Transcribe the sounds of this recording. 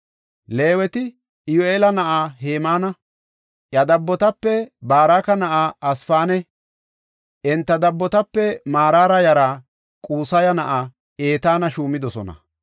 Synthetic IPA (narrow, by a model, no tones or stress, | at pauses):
le̞ːwɛt̪ɪ | ɪjoeːlɐnɐʔaːɦeːmaːnɐ | ʔjɐd̪ɐbːɔt̪ɐpːɛbaːɾaːkɐnɐʔaːɐsfaːnɛ | ʔɛnt̪ːɐd̪ɐbːɔt̪ɐpːɛmaːɾaːɾɐjɐɾa | kʼuːsɐjɐnɐʔa | eːt̪aːnɐʃuːmɪd̪ɔsɔnɐ̰